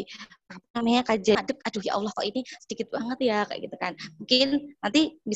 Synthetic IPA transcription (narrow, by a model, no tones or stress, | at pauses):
apanamaɲakad͡ʒadəp̚kaduhjʔa̰wlɔhkɔ̰ʔinisədikɪt̪̚baŋət̪jaka̰ʔɡit̪ukanmuŋkɪnnant̪ibi